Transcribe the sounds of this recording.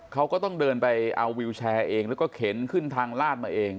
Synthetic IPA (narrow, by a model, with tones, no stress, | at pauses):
kʰa˦˥wkɔː˥˩t̪ɔ˥˩ŋdɤː˧npa˧jʔa˧wːi˧wt͡ɕʰɛː˧ʔeː˧ŋlɛː˦˥wkɔː˥˩kʰe˩˦nkʰɯ˥˩nt̪ʰaː˧ŋlaː˥˩t̪̚maː˧ʔeː˧ŋ